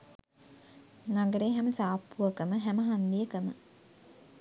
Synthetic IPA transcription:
naɡəɾeːɦæməsaːpːuʋəkəməɦæməɦand̪ijəkəmə̰

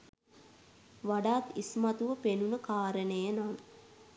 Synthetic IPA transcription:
ʋaɖaːt̪ismat̪uʋəpenunəkaːɾənejənan

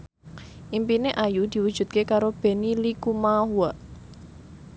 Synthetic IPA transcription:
ʔimpineʔajud̪̥i̤wud̥ʒ̥ṳt̪̚kekaɾob̥e̤nilikumahuaʔ

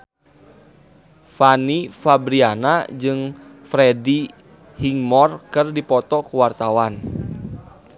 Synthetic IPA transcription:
fanifabɾianad͡ʒɨŋfɾɛdi | hiŋmɔrkɨrdipɔt̪ɔkuwart̪awan

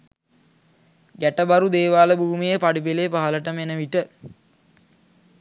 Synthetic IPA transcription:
ɡæʈəbaɾud̪eːʋaːləbuːmijəpaɖip̬eleːpaɦələʈəmenəʋiʈə

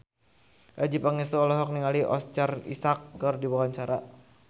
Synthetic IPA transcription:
ʔad͡ʒipaŋɛsɔɔlɔɦɔk̚niŋaliʔɔ̰st͡ʃarḭsakːɨrdiwawaɲt͡ʃaɾa

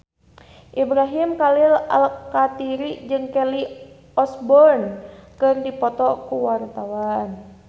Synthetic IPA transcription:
ʔibɾaɦimkalila̰lkːat̪iɾid͡ʒɨŋkɛli | ɔsbɔnkɨrdipɔt̪ɔkuwart̪awan

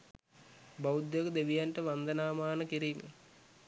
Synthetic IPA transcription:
baud̪jekəd̪eʋijanʈəʋand̪ənaːmaːnəkiɾiːmḛ

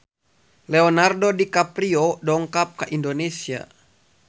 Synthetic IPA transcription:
lɛɔnardodikapɾiɔdɔŋkap̚kaʔindonesia̰

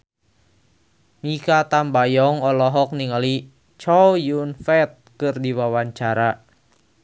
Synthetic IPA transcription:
mikat̪ambajɔŋɔlɔɦɔk̚niŋali | t͡ʃɔwjunfɛt̪̚kɨrdiwawaɲt͡ʃaɾa

